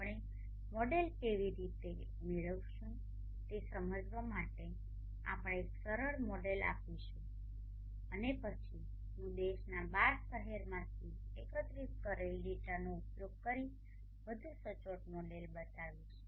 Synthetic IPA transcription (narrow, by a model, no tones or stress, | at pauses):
ɽ̃e | mɔɖelkeʋiɾit̪e | meɭəʋʃũ | t̪esəməd͡ʒʋamaʈe | a̰pəɽ̃eeksəɾəɾmɔɖela̰piʃũ | ənepət͡ʃʰi | ɦũd̪eʃnabaɾʃəɦeɾmãt̪ʰiekət̪ɾiskəɾelɖiʈanoupjoɡ̚kəɾi | ʋəd̪ʱũsət͡ʃoʈ̚moɖelbət̪aʋũt͡ʃʰe̥